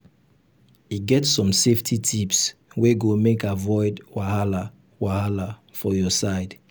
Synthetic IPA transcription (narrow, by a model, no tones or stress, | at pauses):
iɡɛtsɔ̃mseftʰitʰipsweɡomekavɔɪdwahala | wahalafɔjɔsaɪd